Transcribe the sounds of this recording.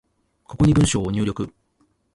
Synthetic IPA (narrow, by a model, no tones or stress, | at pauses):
ko̞ko̞ɲ̟ibɯ̟̃ɰ̃ɕo̞ːoɲʲɨːɾʲo̞kɯ̟